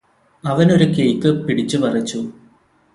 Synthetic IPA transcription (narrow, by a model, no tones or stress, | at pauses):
ɐʋɐno̞ɾukejt̪ːɨpiɽit͡ɕːuʋɐrɐt͡ɕːu